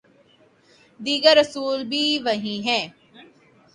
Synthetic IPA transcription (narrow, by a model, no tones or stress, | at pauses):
d̪iːɡəɾːəsuːlbʱiːʋɐɦĩːɦɛ̃ː